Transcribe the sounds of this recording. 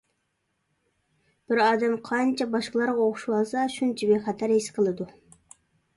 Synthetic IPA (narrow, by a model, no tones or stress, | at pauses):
b̥ɪɾɑːd̪ɛmqʰɑnt͡ʃʰɛbɑʃqlˠɑɾʁɑoχʊʃuwɑsɑʃunt͡ʃʰibeχæt̪ʰæɾhesqʰəlˠɨd̪u